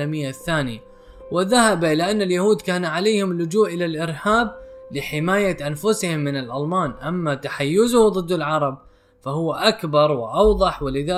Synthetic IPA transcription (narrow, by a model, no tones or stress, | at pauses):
amɪjːaθːaːnɪa | wɪðahabaʔɪlaʔanːaljahuːd̪kaːnʕaleːhɪmlʊd͡ʒuːʔʔɪlalʔɪɾhaːblɪħɪmaːjaʔanfʊshɪmːɪnɪlʔalmaːnʔamːat̪aħajːʊzʊhðˤɨd̪ːɪlʕɑɾˤɑb̚ | fahʊwːaʔakbɑɾˤwɪʔɑwðˤɑħwɪlɪðaː